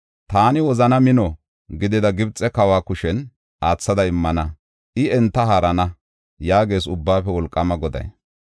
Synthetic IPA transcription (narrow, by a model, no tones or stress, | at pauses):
t̪aːnɪwɔzɐnɐmɪnɔ | ɡɪd̪ɪd̪ɐɡɪbt͡sʼːɛkɐwaːkʊʃɛn | ʔaːt͡sːɐd̪ɐɪmːɐnɐ | ʔɪɛnt̪ːɐɦaɾɐnɐ | jaːɡe̞ːsʊbːaːfɛwɔlkʼːɐmɐɡɔd̪ɐ̰j